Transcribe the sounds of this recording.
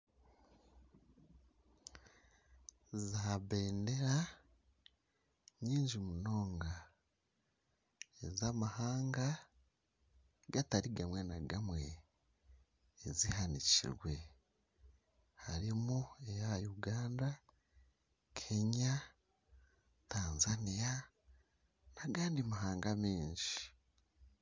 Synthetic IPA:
zaβe̞ːnde̞ɾa | ɲiːɲd͡ʒimuno̞ːŋɡa | ezamahaːŋɡa | ɡataɾiɡamwe̞naɡamwe̞ | zihanicḭɾwe̞ | haɾimue̞jaajuɡaːnda | kʰe̞ɲa | taːnzanija | naɡaːndimaɦaːŋɡamiːɲʃi̥

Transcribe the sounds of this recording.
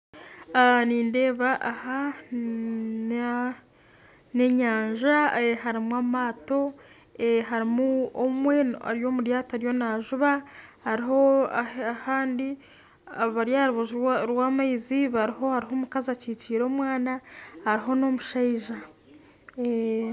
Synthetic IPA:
aniːnde̞ːβaʔaha | ne̞ɲaːɲʒaeɦaɾimwaːmaːto̞ | eɦaɾimuomwe̞a̰ɾjo̞ːmuɾjaːtohaɾijo̞naʒuβahaɾiɦo̞aahaːndi | aββaɾjaɾuβuʒiɾwaːmaiziβaɾiho̞haɾiɦoːmukazaciːt͡ʃiːɾo̞ːmwaːnahaɾiɦo̞no̞muʃaiʒa

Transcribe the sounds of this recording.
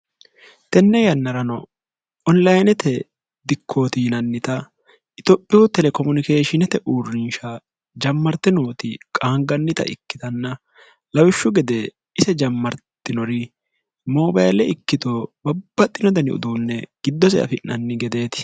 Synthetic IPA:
t̪ɛnːɛjɐnːɐɾɐnɔ | ɔnlɐjnɛt̪ɛ | d̪ɪkʰːo̞ːt̪iːnɐnːɪt̪ɐ | ɪt̪opʼːɪjʊːt̪ɛlɛkɔmʊnɪkeːʃɪnɛt̪ɛʔuːrːɪnʃɐ | d͡ʒɐmːɐɾt̪ːɪnoːt̪ɪkʼaːŋɡɐnːɪt̪ɐ̰ʔɪ̰kːɪt̪ɐnːɐ | lɐwɪʃːʊɡɛd̪ɛ | ɪsɛd͡ʒɐmːɐɾt̪ːɪnɔɾɪ | moːbɐjlɛɪkːɪt̪obɐb̥ːɐt̪ʼːɪnɔd̪ɐnɪ̰ʊ̰d̪uːnːɛɡ̥ɪd̪ːɔs̬ɛ̰ʔɐ̰fɪnːɐnːɪɡɛd̪e̞ːt̪ɪ̥

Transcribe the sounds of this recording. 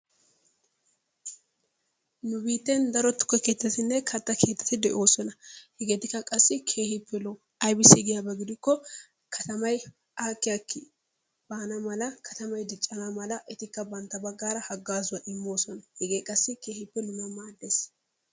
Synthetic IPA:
nʊbiːt̪ːend̪ɐɾɔt̪ːʊ̥kːɔke̞ːt̪ːɐt̪ɪnːɛkʰɐt̪ːɐkʰe̞ːt̪ːɐ̥t̪ɪd̪ɛʔo̞ːsɔnɐhɛɡeːt̪ɪkːɐkʼɐsːɪkʰe̞ːhɪpːɛlo | ɐjbɪsɪɡɪjabɛɡɪd̪ɪkːɔ | kʰɐt̪ɐmɐj | aːkːɪjɐkːɪ | b̥aːnɐmɐlɐkʰɐt̪ɐmɐjd̪ɪt͡ʃʼːɐnɐmɐlɐʔɪt̪ɪkːɐbɐnt̪ːɐbɐɡːaːɾɐhɐɡːaːzʊwɐʔɪmːo̞ːsɔnɐhɛɡeːkʼɐsːɪke̞ːhɪpːɛnʊmɐmaːd̪ːeːs

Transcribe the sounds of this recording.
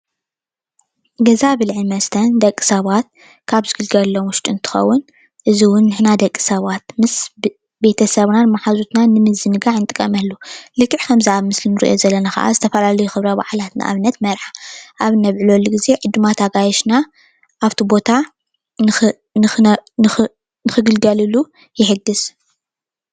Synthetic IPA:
ɡɐzabɨlʕimɐst̪ʰɐnd̪ɐkʼːi̥sɐβat̪̚ | kʰaβzɨɡɨlɡɐlːomwʊʃt̪ʼuɨnt̪ʰɨ̥xɐ̰wːʊn | ʔɨziwʊnːɨħnad̪ɐkʼːi̥sɐβat̪mɨs | be̞t̪ʰɐsɐβnanmaħazut̪nanɨmɨzɨnɨɡaʕɨnt̪ʼɨkʼːɐ̰mɐlːulɨkʰʼːɨʕkʰɐmziaβmɨslinɨɾḭʔo̞zɐlːɐnaxɐ̰ʔa̰zɨt̪ʰɐfɐlalɐjuxɨβɾɐba̰ʕlat̪na̰ʔa̰βɨnːɐt̪mɐɾħḁʔaβɨnɐβʕɨlolːuɡize̞ʕɨd̪ːumat̪ʰaɡajɛʃna | ʔaβt̪ʰibo̞t̪ʰa | nɨ | nɨxɨnɨ | nɨxɨɡɨlɡɐlɨlu | jɪħɨɡɨs

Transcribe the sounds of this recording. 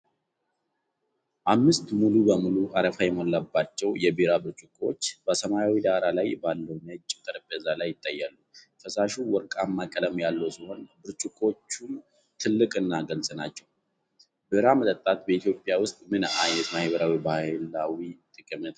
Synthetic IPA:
ʔamːɨst̪mulubəmuluʔaɾəfajɛmolːabːat͡ʃːɛwjɛbɨɾabɨɾt͡ʃʼukʼo̞t͡ʃːbəsəmajawid̪aɾalajbalːəwnət͡ʃʼːt̪ʰəɾpːəzalajːɪt̪ʼːajːalːu | fəsaʃuwɔɾkʼamːakʼələmjalːəwsiho̞nbɨɾt͡ʃʼukʼo̞t͡ʃːu | t̪ʰɨlːɨkʼɨnːaɡəlsʼənat͡ʃːɛw | bɨɾamət̪ʼət̪ʼːat̪bəit̪ʰjo̞pʼːjawʊst̪ʼmɨnajɛt̪mahiβəɾawibahɨlawit̪ʼɨkʼɨmət̪

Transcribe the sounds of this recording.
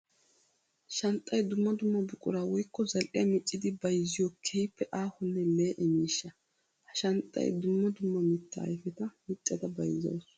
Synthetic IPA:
ʃɐnt̪ʼːɐjd̪ʊmːɐd̪ʊmːɐbʊkʼʊ̰ɾaːwɔjkːɔzɐlʔɪjɐmɪt͡ʃʼːɪd̪ɪbɐjzːɪjɔkʰɛjɪpːɛʔaːhʊnːɛleːʔɛmiːʃːɐ | hɐʃɐnt̪ʼːɐ̰jd̪ʊmːɐd̪ʊmːɐmɪt̪ːɐ̰ːjfɛt̪ɐmɪt͡ʃʼːɐd̪ɐbɐjzɐ̰ws

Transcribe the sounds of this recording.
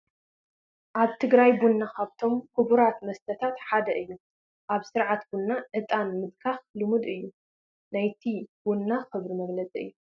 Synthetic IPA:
ʔaβt̪ʰɨɡɾajbunːakʰaβt̪ʰo̞mkʰubuɾat̪mɐst̪ʰɐt̪ʰat̪ħad̪ɐʔɨjːu | ʔaβsɨɾʕat̪bunːaʔɨt̪ʼanmɨd̪kʰaxlɨmud̪ɨjːu | najt̪ʰibunːaxɨβɾimɐɡlɐt͡sʼiɨ̰jːu

